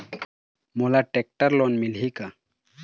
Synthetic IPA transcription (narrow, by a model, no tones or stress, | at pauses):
molaʈek̚ʈəɾlɔnmilɦika